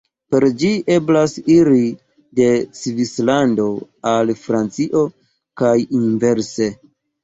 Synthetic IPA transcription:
pe̞ɾd͡ʒiʔe̞blasiɾi | de̞t͡svislando̞ | alfɾant͡siʔo̞ | kajinve̞ɾse̞

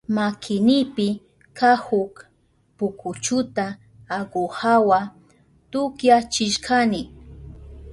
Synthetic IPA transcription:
makʰɪnɪpɪ | kahʊk | pʊkʰʊt͡ʃʊt̪aː | ɡohawa | t̪ʊkjat͡ʃɪʃkʰanɪ

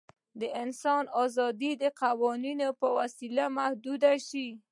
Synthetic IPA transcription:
d̪əɪnsɑnɑzɑd̪id̪əqawɑninopəwasilamahd̪ud̪aʃi

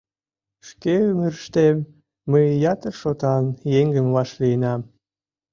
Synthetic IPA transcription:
ʃkeyməɾəʃt̪emː | əjjɑt̪ərʃot̪ɑnjeŋɡəmvɑʃliənɑm

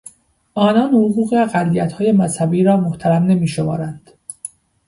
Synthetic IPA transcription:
ʔɒːnɒːnhoɣuːɣeɢælːijæt̪hɒːje̞mæshæbiːɾɒːmoht̪ʰæɾæmne̞miːʃomɒ̰ːɾænd̪̥

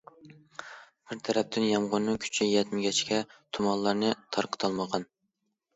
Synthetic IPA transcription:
b̥ɪɾt̪ʰæɾɛp̚t̪ʰɪnjɑmʁʊnːɨŋkʲʰy̥t͡ʃʰijɛt̪mɪɡʲɛt͡ʃkʲʰɛt̪ʰumɑnlˠɑɾnɨt̪ʰɑɾqʰə̥t̪ʰɑlˠməʁɑn

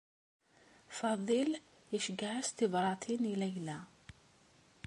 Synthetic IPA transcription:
fɑðˤil | əʃəɡaʕast̪ivɾˤɑt̪ʰinilæjlæ

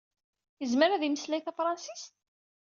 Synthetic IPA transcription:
jəzməɾæðiməslæjθæfɾˤɑnsist̪

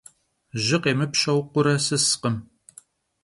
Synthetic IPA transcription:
ʒɪqeːmɨpʃɐwqʷʊɾɐsɨsqəm

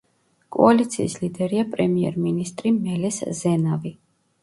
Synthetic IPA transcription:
kʼɔ̰alit̪sʰḭːslid̪ɛɾiapʼɾɛmiɛ̰ɾminist̪ʼɾimɛlɛszɛnavi

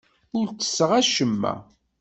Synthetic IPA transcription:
ʊlt͡sːə̥sːəʁæʃəmːæ̰

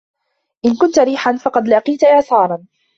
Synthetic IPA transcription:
ʔɪnkʊnt̪aɾiːħanfɑqɑd̪lɑqiːt̪aʔɪʕsɑːɾˤɑn

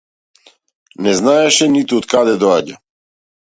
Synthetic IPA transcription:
nɛznaɛʃɛnit̪uɔt̪kad̪ɛd̪ɔaɟa

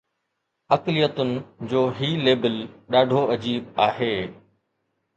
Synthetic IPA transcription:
ɐklɪjət̪ʊnɪ̆d͡ʑoːɦiːleːbɪlɗaːɖʱoɐd͡ʑiːb̚aːɦeː

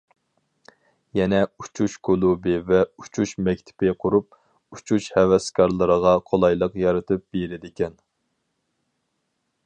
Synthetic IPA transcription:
jɛnɛut͡ʃʰuʃkʰulˠubɪvɛut͡ʃʰuʃmɛkʲt̪ʰɪ̥pɪqʰʊɾup̚ | ut͡ʃʰuʃhɛwɛskʰɑɾlˠəɾəʁɑqʰolˠɑjlˠəqjɑɾɨt̪ʰɨp̚beɾɪd̪ɪkʲʰɛn

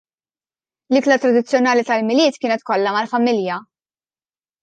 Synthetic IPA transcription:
lɪklɐt̪ɾɐd̪ɪt͡sːjɔnɐːlit̪ɐlmɪlɪːt̪kɪːnɛt̪kɔlːɐmɐlfɐmɪljɐ

